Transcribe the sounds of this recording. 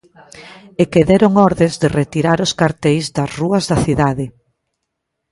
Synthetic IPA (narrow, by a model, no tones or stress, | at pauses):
ekeðɛɾoŋɔɾðezðɪret̪iɾaɾʊskaɾt̪ɛjzd̪ɐsruɐzðɐθiðaðɪ